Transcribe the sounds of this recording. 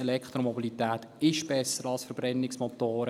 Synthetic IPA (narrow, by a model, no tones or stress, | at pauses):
ɛlɛkχt̪ɾomɔbilit̪æːt̪ | ɪʃb̥ɛsəɾɑlsfəɾb̥ɾɛnːɪksmɔt̪oːɾə